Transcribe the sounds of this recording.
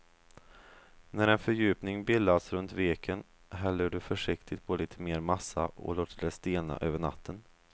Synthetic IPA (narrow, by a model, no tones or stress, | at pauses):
næɾɛnfœɾjʉ̟ːpnɪŋbɪlːasɾɵnt̪veːkʰən | ɦɛlːəɖɵfœʂɪkt̪ʰɪt̪pʰɔliːt̪ʰəmeːɾmasːaʔɔ̰loːt̪ʰəɖ̪ɛst̪eːna̰ʔøːvəɳa̰t̪ʰːən